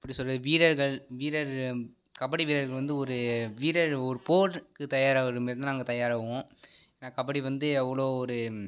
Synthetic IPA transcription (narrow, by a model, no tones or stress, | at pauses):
ɐpːɐɽisɔlːɐʋiːɾɐɾɣɐɭʋiːɾɐɾ | kɐbɐɽiʋiːɾɐɾɣɐɭʋɐnd̪ɯɔɾɯʋiːɾɐɾɔɾɯpoːɾkɯt̪ɐjaːɾaːɐɾɯmɪɾɐnɯnaːŋɡɐt̪ɐjaːɾaːʋɐʋõːeeːnaːkɐbɐɽiʋɐnd̪ɯɐʋːɐɭoːɔɾɯ